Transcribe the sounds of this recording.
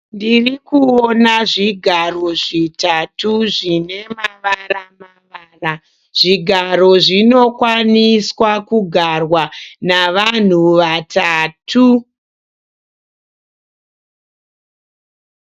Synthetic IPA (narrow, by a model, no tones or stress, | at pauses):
ndirikuonaʐiɡʱaro̞ʐitatuʐine̞maʋaramaʋaːra | ʐ̥iɡʱaɾo̞ʐino̞kwaniswakuɡʱarwanaʋan̤uʋatʰaːtʰu